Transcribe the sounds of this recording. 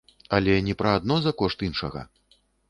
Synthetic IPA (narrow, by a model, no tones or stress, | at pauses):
alʲɛnʲɛpɾɐad̪nɔzɐkɔʂt̪inʂɐɣɐ̰